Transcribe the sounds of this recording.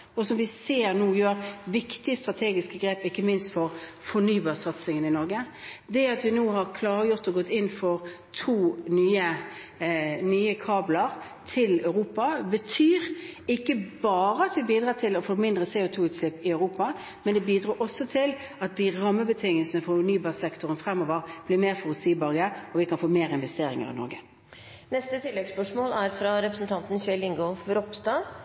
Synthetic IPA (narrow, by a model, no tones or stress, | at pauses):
ɔsɔmʋɪseːɾnuːjøːɾʋɪkt̪ɪəst̪ɾɑt̪ʰeːɡɪskəɡɾeːpɪkːəmɪnst̪fɔɾ | fɔnyːbɑːsɑt̪sɪŋənɪnɔɾɡəd̪ɛɑt̪ʋɪnuːɦɑɾkʰlɑːɾəjʊʁt̪ɔɡɔt̪ːɪnːfɔʁ | t̪ʰuːnyːə | nyːəkʰɑːblɑʁ | t̪ʰɪlœʉʁuːpɑbət̪ʰyːɾɪkːəbɑːɾəɑt̪ʋɪbiːd̪ʁɑːt̪ʰɪlɔfoːmɪnd̪ʁəseːʊt̪ʰuːʉːt̪slɪpːɪœʉʁuːpɑ | mɛnd̪ɛbiːd̪ɾɑːɾʔɔsːɔt̪ʰɪlɑt̪̚d̪ɪʁɑmːəbət̪ʰɪŋəlsənəfɔʊnyːbɑːʁsɛkt̪ʊʁənfʁɛmːoːʋəʁb̥lɪmeːʁfɔʁʉlsiːbɑɡəɔʋɪkʰɑnfoːmeːʁɪnʋɛst̪eːɾɪ̰ŋə̰ʁɪ̰nɔ̰ɾɡə | nɛst̪ət̪ʰɪlːɛɡspœʂmoːlæɾfɾɑɾɛpɾəsnt̪ʰɑnt̪n̩çɛlɪŋɡɔfɾɔpst̪ɑː